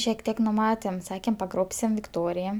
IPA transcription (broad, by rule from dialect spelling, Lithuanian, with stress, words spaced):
ʃʲiɛk ˈtʲiɛk nʊˈmɑːtʲeːm ˈsɑːkʲeːm pɐˈɡroːpʲsʲɪm ʋʲɪkˈtoːrʲɪjɛ